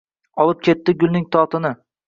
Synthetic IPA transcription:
ɒlˠɪp̚kʲʰe̞t̪ːɪɡʊlʲˠnɪŋt̪ʰɒt̪ʰɪnɪ

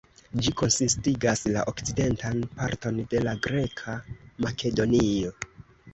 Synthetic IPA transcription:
d͡ʒiko̞nsistiɡasla̰ʔo̞kt͡side̞ntanpaɾto̞nde̞laɡɾe̞kʰamake̞do̞nio̞

